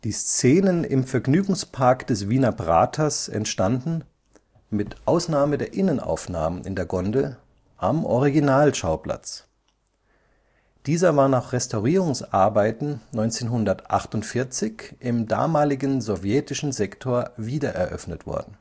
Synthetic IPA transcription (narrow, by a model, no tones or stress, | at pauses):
d̥iːst͡seːnənɪ̰mfɛɐɡnyːɡŋ̩spʰaɐkd̥ɛsv̥iːnɐbʁa̰ːtʰɐsɛ̰ntʃtandn̩ | mɪtʔaʊsnaːmədeːɐʔɪnəna̰ʊfna̰ːmənɪ̰ndeːɐɡɔndl̩ | ʔamʔɔʁiɡinaːlʃaʊpla̰t͡s | d̥iːzɐvaːɐnaːχʁɛstaʊʁiːʁʊŋsʔa̰ɐbaɪtn̩nɔʏnt͡seːnɦʊndɐtʔa̰χtʊntfɪɐt͡sɪçɪmda̰ːmaːlɪɡən̩zɔvjɛtɪʃn̩zɛktʰoːɐviːdɐʔɛ̰ɐʔœ̰fnətv̥ɔ̰ɐdn̩